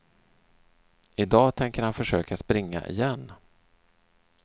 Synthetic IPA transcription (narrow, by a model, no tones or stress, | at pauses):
ɪd̪ɑːt̪ʰɛŋkəɾhanfœʂøːkʰaspɾɪŋːa̰ʔɪ̰jɛnː